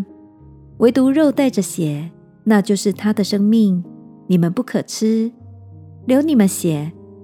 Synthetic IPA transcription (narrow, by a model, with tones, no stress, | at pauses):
we˧˥ɪt̪u˧˥ɻo˥˧ʊt̪a˥˩ɪʈ͡ʂə˩ɕjɛ˨˩˦ | na˥˧t͡ɕjo˥˧ʊʂɻ̩˥˩t̪ʰa˥d̪ə˨ʂɤ˥ŋmi˥˩ŋni˨˩mə˦npu˥˩kʰɤ˨˩ʈ͡ʂ̩ʰ˥ | ljo˧˥ʊni˨˩mə˦nɕjɛ˨˩˦